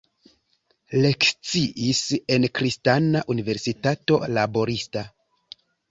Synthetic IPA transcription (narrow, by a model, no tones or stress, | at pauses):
le̞kt͡siʔise̞nkɾistanaʔunive̞ɾsitato̞labo̞ɾista